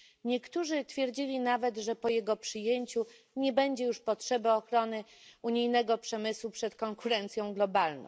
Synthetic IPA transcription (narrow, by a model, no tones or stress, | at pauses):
ɲɛkt̪uʐɘt̪fʲjɛɾd͡ʑilʲinavɛt̪ʐɛpɔjɛɡɔpʂɘjeɲt͡ɕu | ɲɛbɛɲd͡ʑɛjuʂpɔtʂɛbaɔxɾɔnɘuɲijnɛɡɔpʂɛmɘswupʂɛt̪kɔŋkuɾɛnt̪sʲjɔ̃w̃ɡlɔbalnɔ̰̃w̃